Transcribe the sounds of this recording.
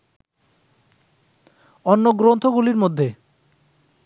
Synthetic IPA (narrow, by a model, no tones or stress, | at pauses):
ɔnːoɡɾont̪ʰoɡuliɾmod̪ʱːe